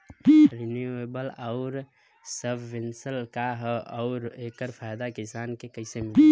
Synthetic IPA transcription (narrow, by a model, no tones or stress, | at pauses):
ɾinjuebəlɔʊɾ | səbʱːɪnsəlkaɦɔʊɾeːkəɾpʰajd̪akisaːnkekəɪsemɪ